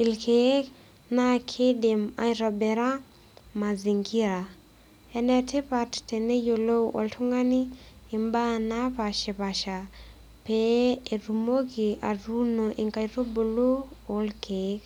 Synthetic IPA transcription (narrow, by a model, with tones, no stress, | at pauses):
i˨lkʰe˦k | na˦kʰɪ˦de˨ma̰˨jɾɔ˨bɛ˨ɾa˦ | ma˨zi˨ŋɡi˦ɾa˨ | ɛ˨nɛ˨tɪ˦pa˨tte˨ne˦jo˨lo˦ʔo̰˨ltʰu˦ŋa˦niː˦˨mba˦na˦pa˨ʃe˨pa˨ʃa˨ | pee˨ɾu˨mo˦ɡi˨a˨ɾu˦no˨ʔi˨ŋka˨jɾo˦bo˨lo˦o˨˦lkʰe˦k